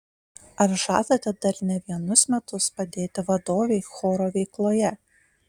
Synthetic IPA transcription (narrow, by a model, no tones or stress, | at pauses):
ɐɾʒɑ̰ːt̪ɐt̪ʲɛd̪ɐɾnʲɛʋʲiɛnʊsmʲɛt̪ʊspɐd̪ʲeːt̪ʲɪʋɐd̪oːʋʲeɪxoːɾoːʋʲɛɪklˠoːjɛ